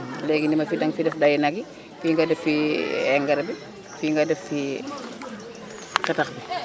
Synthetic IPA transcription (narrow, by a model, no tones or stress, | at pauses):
lɛɡinimɐfidɐŋfidɛfdajinɐɡi | fiːŋɡadɛfiɛŋɡɐɾbi | fiːŋɡadɛfːi | kɛtɐxbi